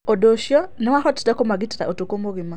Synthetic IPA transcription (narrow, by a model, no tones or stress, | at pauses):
odoʃjɔnɛwaxɔtdakomaɡitata̰ʔotokomoɡima